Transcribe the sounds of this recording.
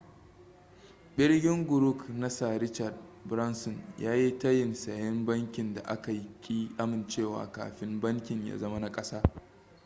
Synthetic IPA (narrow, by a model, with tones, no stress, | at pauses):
ɓɪ˦rɡʲɪ˦ŋɡʷʊ˨ɾʊ˦knɐ˦sa˨ɾɪ˦t͡ʃɐ˨rd̚bɾɐ˦nsɔ˨njaː˦ji˦tɐ˦jɪ˨nsɐ˨jɛ˦mbɐ˦ŋkʲɪ˨nda̰˨ʔa˦ka˨jkʲʼiː˦ʔa˦mɪ˨nt͡ʃeː˦˨wa̰ː˨ka̰ː˨ɸɪ˦mbɐ˦ŋkʲɪ˨ɲja̰ː˦zɐ˦ma˦na˦kʼɐ˦saː˦